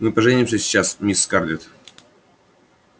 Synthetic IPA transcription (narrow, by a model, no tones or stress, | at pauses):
mɨpəʐɛnʲɪmʂ̬əsʲt͡ɕasmʲisːkarlʲɪt̪